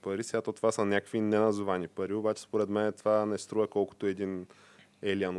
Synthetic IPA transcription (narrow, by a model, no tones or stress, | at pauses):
pɐɾisɛɡat̪ot̪ovasɐnʲakəkvinɛnɐzʊvanipɐɾiobat͡ʃɛ̥spoɾɛd̪mɛnɛt̪ovanɛst̪ɾuvɐkɔlˠko̥t̪oɛd̪in | ɛlian